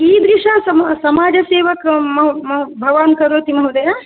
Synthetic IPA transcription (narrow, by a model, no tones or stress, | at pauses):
iːd̪ɾiʃaːsɐmsɐmaːd͡ʒɐseːʋɐkmɐmɐbʱɐʋaːnkɐɾoːt̪imɐwd̪ɐjaː